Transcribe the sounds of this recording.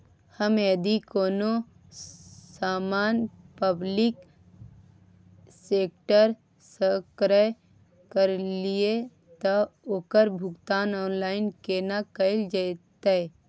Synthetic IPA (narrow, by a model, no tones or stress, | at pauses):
həməd̪ikoːno | saːmaːnpəblɪk | seːk̚ʈəɾ | səkɾə | kəɾlie | t̪ɔoːkəɾbʱʊɡt̪aːnɔːnlaːɪnkeːnakəɪld͡ʒaɪt̪e